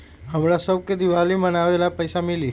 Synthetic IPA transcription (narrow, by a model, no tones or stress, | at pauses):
ɦəmɾasəwked̪iʋalimənaʋelapəjsamili